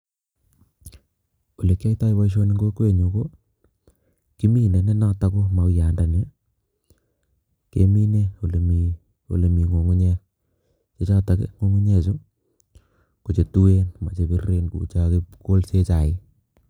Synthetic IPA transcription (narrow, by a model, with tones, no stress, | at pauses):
o˨le˨kja˦jta˦ɪ˦wa˦iʃ̬o˦ni˦ŋɡo˦ke˦˨ɲo˨ɡo˦ | ki˦mi˦˨nda˨ne˦na˦ta˦ko˦ma˨wja˨nda˨nja˦ | kḛ˦mi˦ne˦o˨le˨mi˨ | o̰˨le˨mi˨ŋo˨ŋu˦ɲɛ˦ | t͡ʃe˦t͡ʃa˦ta˨kḛ˦ŋo˦ŋu˦ɲɛ˨t͡ʃo˦ | ko˨t͡ʃe˨tu˦e˦nma̰˨t͡ʃe˨bi˦re˦nkṵ˨t͡ʃa˦ke˦ko˦lse˦t͡ʃa˨ɪ˦